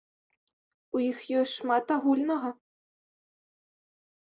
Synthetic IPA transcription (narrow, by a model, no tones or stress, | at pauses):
ujixjɔsʲʂmat̪aɣulʲnəʁɐ